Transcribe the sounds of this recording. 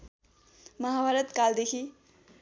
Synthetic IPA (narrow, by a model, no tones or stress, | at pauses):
mʌɦabʱaɾʌt̪kald̪ekʰi